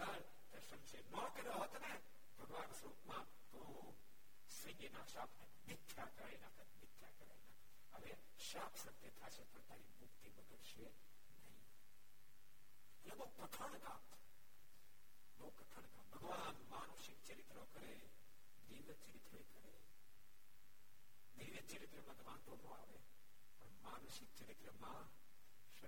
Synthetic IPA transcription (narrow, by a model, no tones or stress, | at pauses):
əɾ | t̪esə̃mʃenɔkəɾjoɦot̪ne | bʱəɡʋaːnsɾuːpmã | t̪o | sə̃ŋɡenaʃaːpʰne | mɪt̪ʰːjakəɾainat̪əmɪt̪ʰːjakəɾa̰jna | əʋe | ʃaːpʰsət̪et̪ʰat͡ʃʰepəɳt̪aːɾimukt̪ibəɡəɭʃe | nɐɦĩ | elebəɦukət̪ʰəɳ̃kãːmt | bəɦukɐt̪ʰəɳ̃kaːmbʱəɡʋanmaːnoʃik̚t͡ʃəɾit̪ɾokəɾe | d̪iːʋət͡ʃəɾit̪ɾekəɾe | d̪iːʋət̪̚t͡ʃəɾit̪ɾəmãd̪ʋãːnt̪onõa̰ːʋe | pɐɳmaːnuʃɪk̚t͡ʃɐɾit̪ɾəmã | ʃə